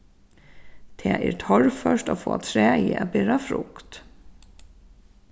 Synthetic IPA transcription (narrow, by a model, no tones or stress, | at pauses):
t̪ʰeːʔeːɾt̪ʰɔɹfœʃtoːfo̰ːt̪ʰɾeːiːɑbeːɾɑfɾʊkt̪